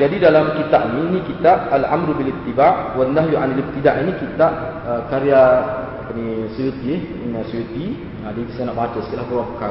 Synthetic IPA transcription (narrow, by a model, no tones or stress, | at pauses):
d͡ʒadidalamkit̪aʔ̚ninĩkit̪aʔalʔa̰mɾubilit̪ːibaʔwandahjuʔanilit̪idaʔinĩkit̪aʔ̚əkaɾia | kanisujut̪ieh | nasujut̪i | adik̪isanaʔbat͡ʃəsk̪ilahkuauka